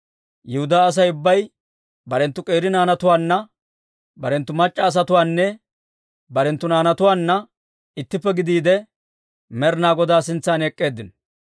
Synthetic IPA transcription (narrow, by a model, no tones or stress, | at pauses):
jɪhʊd̪aːs̬ɐjʊbːɐj | bɐɾɛnt̪ːʊkʼe̞ːɾɪnaːnɐt̪ʊwaːnːɐ | bɐɾɛnt̪ːʊmɐt͡ʃʼːɐːs̬ɐt̪ʊwaːnːɛ | bɐɾɛnt̪ːʊnaːnɐt̪ʊwaːnːɐ | ɪt̪ːɪpːɛɡɪd̪iːd̪ɛ | mɛɾnaːɡɔd̪aːsɪnt͡sːaːnɛkʼːeːd̪ːɪn